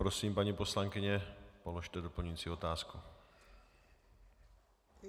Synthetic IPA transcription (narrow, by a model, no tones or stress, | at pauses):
pɾosiːmpaɲipo̞slaŋkɪɲɛpoloʃt̪ɛdopl̩ɲuit͡siot̪aːsku